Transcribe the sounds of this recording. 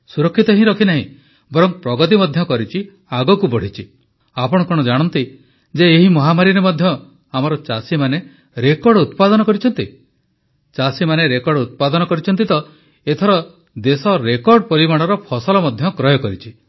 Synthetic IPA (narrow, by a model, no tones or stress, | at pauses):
suɾɔkʰːit̪ɔɦĩɾɔkʰinaɦḭ̃ | bɔɾɔŋpɾɔɡɔt̪̬imɔd̪ʱjɔkɔɾit͡ʃʰi | aɡɔkubɔɽ̤it͡ʃʰi | apɔɽ̃ɔkɔɽ̃ɔd͡ʒaɽ̃ɔnt̪i | d͡ʒeːɦimɔɦamaɾiɾemɔd̪ʱjɔ | amɔɾɔt͡ʃasimane | ɾekɔɾɖut̪pad̪ɔnɔkɔɾit͡ʃʰɔnt̪i | t͡ʃasimaneɾekɔɾɖut̪̚pad̪ɔnɔkɔɾit͡ʃʰɔnt̪it̪ɔ | et̪ʰɔɾɔ | d̪esɔɾekɔɾɖpɔɾimaɽ̃ɔɾɔpʰɔsɔlɔmɔd̪ʱjɔkɾɔjɔkɔɾit͡ʃʰi